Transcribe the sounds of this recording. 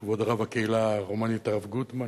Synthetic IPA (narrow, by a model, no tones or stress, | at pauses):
vod̪ʁavakeilaʁomanit̪aʁavɡut̪ma